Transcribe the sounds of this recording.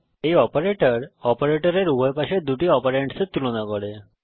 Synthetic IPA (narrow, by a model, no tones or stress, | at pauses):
eiɔpəɾeʈəɾɔpəɾeʈəɾeɾuɦəjpaɕed̪uʈiɔpəɾeɳʈset̪ːulunakɔɽe